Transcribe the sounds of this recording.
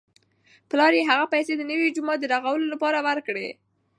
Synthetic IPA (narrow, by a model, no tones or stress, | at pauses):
plɑɾjeɦaɣapajsed̪ənəwid͡ʒumɑt̪̚d̪əɾaɣawəlolapɑɾawaɾkɽe